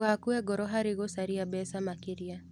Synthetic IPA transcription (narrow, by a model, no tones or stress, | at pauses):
akuɛɡɔɾɔɦaɾɪɣosaɾiabɛsamakɪɾia